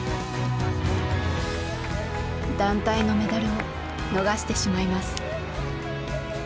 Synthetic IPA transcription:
d̪ãnt̪aino̞me̞d̪aɾɯo̞ | no̞ɡaɕi̥t̪e̞ɕimaimasɨ̥

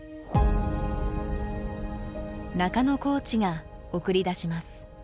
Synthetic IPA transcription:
nakano̞ko̞ːt͡ɕiɡa | o̞kɯ̟ɾʲid̪aɕimasɨ̥

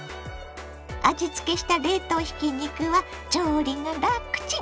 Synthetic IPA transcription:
ad͡ʑit͡sɨ̥ke̞ɕi̥t̪aɾe̞ːt̪o̞ːçi̥kʲiɲikɯ̟βa | d͡ʑoːɾʲiŋaɾakːɯ̥t͡ɕi

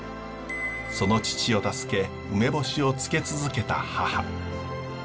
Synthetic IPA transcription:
so̞no̞t͡ɕi̥t͡ɕio̞t̪asɨ̥ke̞ | ɯme̞bo̞ɕio̞t͡sɨ̥ke̞t͡sɨzɨke̞t̪a̰haha̰

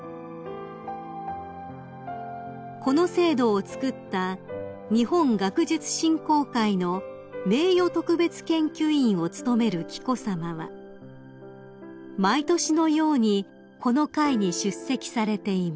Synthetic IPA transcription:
ko̞no̞se̞ːd̪o̞ːt͡sɨ̥kɯ̟t̪ːa | ɲ̟ihõ̞ŋɡakɯ̟ʑɨt͡sɨ̥ɕĩŋko̞ːkaino̞ | me̞ːjo̞t̪o̞kɯ̟be̞t͡sɨ̥kẽ̞ŋkʲɨĩɰ̃o̞t͡sɨ̥t̪o̞me̞ɾɯ̟kʲi̥ko̞samaβa̰ | mait̪o̞ɕino̞jo̞ːɲ̟i | kʰo̞no̞kaiɲ̟iɕɨsːe̞kʲi̥saɾe̞t̪e̞ima

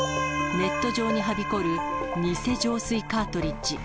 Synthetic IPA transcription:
ne̞t̪ːo̞ʑo̞ːɲ̟iɦabʲiko̞ɾɯ̟ɲʲise̞ʑo̞ːsɨikaːt̪o̞ɾʲit͡ɕt͡ɕi

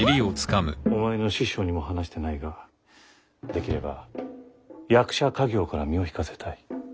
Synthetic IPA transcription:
iɾʲiot͡sɨ̥kamɯ̟o̞mae̞no̞ɕiɕo̞ːɲ̟imo̞ɦanaɕi̥t̪e̞naiɡa | d̪e̞kʲiɾe̞ba̰ | jakɯ̥ɕakaɡʲo̞ːkaɾamʲio̞çi̥kase̞̥t̪ʰai

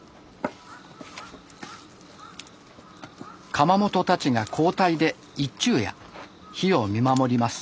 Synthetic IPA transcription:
kʰamamo̞t̪o̞t̪at͡ɕiɡakʰo̞ːt̪aid̪e̞ | it͡ɕːɨːja̰ | çio̞mʲimamo̞ɾʲimasɨ̥

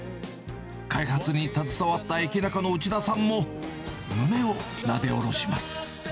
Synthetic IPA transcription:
kʰaihat͡sɨɲ̟it̪at͡sɨsaβat̪ːaekʲinakano̞ɯ̟t͡ɕid̪asãmːo̞ | nɯme̞o | nad̪e̞oɾo̞ɕimasɨ̥

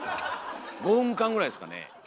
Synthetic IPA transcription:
ɡohɯ̟̃ŋkãŋɡɯɾaidesɨ̥ka̰nḛ

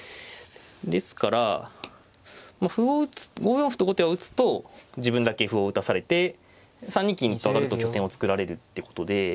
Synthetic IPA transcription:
d̪e̞sɨ̥kaɾa | maɸɯ̟oɯt͡sɨ̥ɡo̞ːjõɸɯ̟t̪oɡot̪eβaɯ̟t͡sɨ̥t̪o̞d͡ʑibɯ̟̃nd̪ake̞ɸɯ̟oɯ̟t̪asaɾe̞t̪e̞ | sãɲ̟ːĩkʲĩnt̪oakaɾɯ̟t̪okʲo̞t̪ẽo̞t͡sɨ̥kɯ̟ɾaɾe̞ɾɯ̟t̪ːeko̞̥t̪o̞d̪e̞

